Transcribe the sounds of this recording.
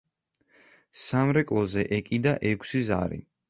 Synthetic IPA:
samɾɛkʼlˠɔzɛʔɛkʼid̪aʔɛkʰsiza̰ɾḭ

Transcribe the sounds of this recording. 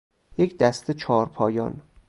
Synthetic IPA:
jecʰd̪æst̪et͡ʃʰɒːɾpʰɒːjɒ̰ːn

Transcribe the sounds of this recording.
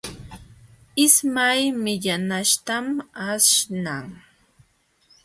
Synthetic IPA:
ɪsmajmɪʎanaʃt̪amaʃnaŋ

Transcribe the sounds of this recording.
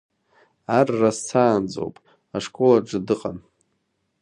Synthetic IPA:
arːasːʰaːnd͡zʼo̰wpʼ | aʂkʼolaʈ͡ʂʼɨdɨqʼan

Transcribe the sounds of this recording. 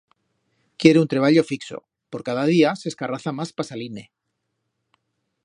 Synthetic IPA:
kje̞ɾeunt̪ɾe̞β̞aʎo̞fikso̰ | po̞ɾkaðað̞iase̞skaraθamaspasaline̞

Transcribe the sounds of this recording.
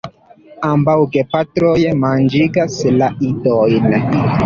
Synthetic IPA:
ambawɡepatɾojmand͡ʒiɡaslaidojn

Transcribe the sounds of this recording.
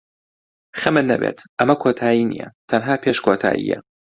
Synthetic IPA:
xɐmɨnːɐbeːt̪ʰʔɐmɐkʰoːt̪ʰaːjiːnḭjɐ̰t̪ʰɐnɦaːpʰeːʃkʰoːt̪ʰa̰ːjḭːjɛ̰

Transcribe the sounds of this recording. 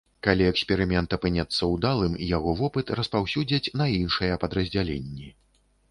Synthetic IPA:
kalʲiɛksʲpʲɛɾɨmʲɛnt̪ɐpɨnʲɛt̪sːɐwd̪alˠɨmijaɣɔvɔpɨt̪rɐspawsʲud͡zʲɐt͡sʲnɐinʂɐjɐpɐd̪ɾɐzʲd͡zʲalʲḛnʲːi

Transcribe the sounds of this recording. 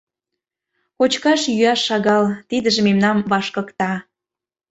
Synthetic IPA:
kot͡ɕkɑʃjyɑʃːɑɣɑlt̪id̪ə̆ʒĕmemnɑmβɑʃkɤ̆kt̪ɑ

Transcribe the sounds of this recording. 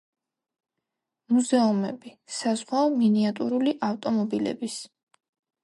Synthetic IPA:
muzɛumɛbisazʁwaɔminiat̪ʼṵɾuliʔaft̪ʼɔmɔbilɛ̰bis

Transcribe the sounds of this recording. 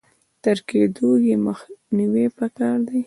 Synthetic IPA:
t̪əɾked̪ojeməxniwepakɑɾd̪aj

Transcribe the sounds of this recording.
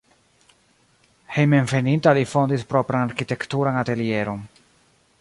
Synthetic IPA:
hejmeɱfenint̪alifond̪ispɾopɾanaɾkit̪ekt̪uɾanat̪elieɾon

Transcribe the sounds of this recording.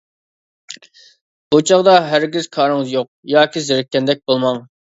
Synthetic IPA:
b̥ut͡ʃʰɑʁd̪ɑɦæɾɡʲiz̥kʰɑːɾɨŋɨzjoq̚jɑːkʲizɪɾɪkʲːɛnd̪ɛk̚ʲbolˠmɑŋ

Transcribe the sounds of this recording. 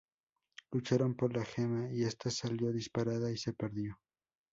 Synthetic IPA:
lut͡ʃaɾompoɾlaxemaiest̪asaljo̞ðispaɾaðaise̞peɾðjo̞

